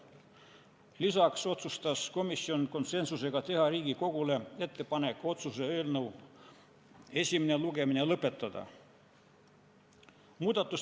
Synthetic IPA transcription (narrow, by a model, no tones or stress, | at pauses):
lisɑkso̞t̪sust̪ɑsko̞misːio̞nko̞nse̞nsuse̞ɡ̥ɑt̪e̞ɦɑɾiːɡiko̞ɡ̥ule̞e̞t̪ːe̞pɑne̞kːˑo̞t̪sus̬e̞øːlnɤw | e̞sʲimineluɡe̞minelɤpːˑe̞t̪ːˑɑd̪̥ɑ̰ | muːd̪̥ɑt̪ːˑus